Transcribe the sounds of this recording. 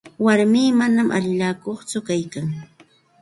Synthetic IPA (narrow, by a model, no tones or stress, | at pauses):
waɾmiːmanamʔa̰ʎɪʎaːkoχt͡sʊkajkaŋ